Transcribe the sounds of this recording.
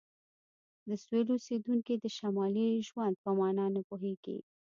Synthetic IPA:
d̪əsweɾosed̪uŋkid̪əʃamɑliʒwand̪̚pəmɑnɑnapoɦeɡḭ

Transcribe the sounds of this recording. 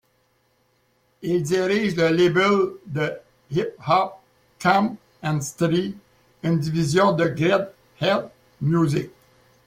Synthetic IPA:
ild̪iʁiʒləlebəld̪ə | hip̚hɑp̚ | kʰãm | ɛ̃nst̪ʁi | ynd̪ivizjɔ̃d̪əɡʁɛd̪ | hɛlt̪ | mjuzik̚

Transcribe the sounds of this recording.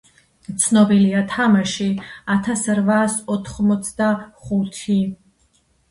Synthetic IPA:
t̪sʰnɔbiliat̪ʰamaʃiat̪ʰasɾvasɔt̪ʰχmɔt̪sʰd̪aχut̪ʰi

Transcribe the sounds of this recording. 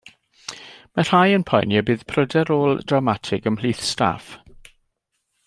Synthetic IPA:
mar̥ajənpʰɔjnjabɨːð̥pʰrədɛɾoːlˠdramatʰɪɡəml̥iːθsta̰f

